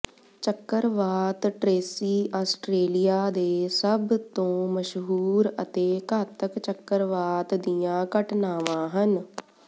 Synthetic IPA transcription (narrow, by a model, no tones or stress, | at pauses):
t͡ʃəkːəɾʋaːt̪ʈɾeːsiːʔaːsʈɾeːlɪjaːd̪eːsəbt̪õːməʃɦuːɾə̰t̪eːkaːt̪əkt͡ʃəkːəɾʋaːt̪d̪ɪjãːkəʈnaːʋãːɦən